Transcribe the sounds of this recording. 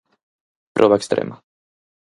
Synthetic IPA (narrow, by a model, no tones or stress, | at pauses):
pɾʔɔβaɛkst̪ɾḛma